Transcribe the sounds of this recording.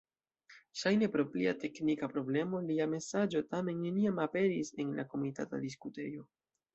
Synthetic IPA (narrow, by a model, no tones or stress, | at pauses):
ʃajne̞pɾo̞pliate̞knikapɾo̞ble̞mo̞liame̞sad͡ʒo̞tame̞nːe̞niamape̞ɾise̞nlakomita̰ta̰diskute̞jo̞